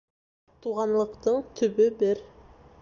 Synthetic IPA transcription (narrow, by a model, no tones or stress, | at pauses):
t̪ʰuʁɑnlˠɤqt̪ɤɴt̪ʰɵ̆bɘbɪɾ